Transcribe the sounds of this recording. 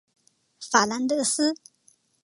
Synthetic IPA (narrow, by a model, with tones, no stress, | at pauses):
fa˨˩la˧˥nd̪ɤ˥˨s̩˥